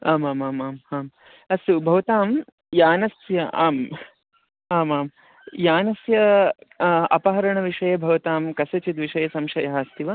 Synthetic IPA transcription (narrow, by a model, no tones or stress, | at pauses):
aːmaːmaːmaːmaːm | ɐsubʱɐʋɐt̪aːm | jaːnɐsjɐʔaːm | aːmaːm | jaːnɐsjɐ | ɐ̰pɐɦɐɾɐɳɐʋiʂɐjɐbʱɐʋɐt̪aːmkɐsɐt͡ʃit̪ʋiʃɐjɐsɐmʃɐjɐɦɐst̪iʋɐ